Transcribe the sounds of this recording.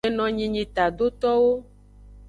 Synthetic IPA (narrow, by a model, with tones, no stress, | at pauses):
e˨nɔ̃˨ɲĩ˨ɲĩ˨t̪a˨d̪o˦t̪ɔ˦wo˦